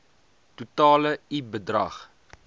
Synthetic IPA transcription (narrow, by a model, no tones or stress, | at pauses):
tutɑːləibədrɐ̰χ